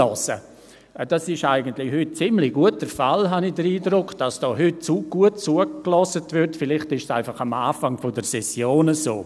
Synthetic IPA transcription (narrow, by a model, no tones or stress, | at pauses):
ɔsə̰ | d̥asɪʃaɪɡəntlɪhʏt̚t͡sɪmlɪɡ̥uət̚d̥əfalɦanɪd̥əɾiːdɾʊkd̥asd̥ɔːɦʏt̚t͡suɡ̥uət̚t͡suəɡlɔsətvɪɾtfɪlɪχtɪʃsaɪfaχamaːfaŋfodəsɛsjoːnəso̰ː